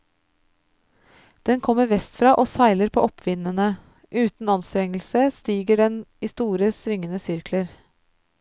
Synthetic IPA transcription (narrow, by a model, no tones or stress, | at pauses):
d̪̥ɛnkʰɔmːəɾʋɛst̪fɾɑːʔoːsæɪləɾpʰo̰ːʔɔpʰʋɪnənə | ʔʉːt̪n̩ɑnst̪ɾɛŋəl̩səst̪iːɡəɖɛniːst̪uːɾəsʋɪŋənəsʏɾkʰləɾ